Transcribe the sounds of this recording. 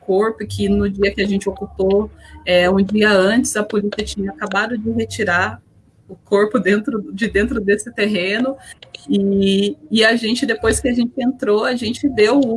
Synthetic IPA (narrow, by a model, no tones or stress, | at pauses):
koɾpʊkʰɪnʊd͡ʒiɐkɪaʒẽnt͡ʃɪokupoɛũd͡ʒiɐɐ̃t͡ʃɪ̥zɐpolisiɐt͡ʃĩɲɐkabad̪ʊd͡ʒɪɦet͡ʃiɾa | ʊkoɾpʊd̪ẽnt̪ɾʊd͡ʒɪd̪ẽnt̪ɾʊd̪esɪt̪eɦẽnʊiː | aʒẽnt͡ʃɪd̪epojskɪaʒẽnt͡ʃɪẽnt̪ɾoaʒẽnt͡ʃɪd̪ew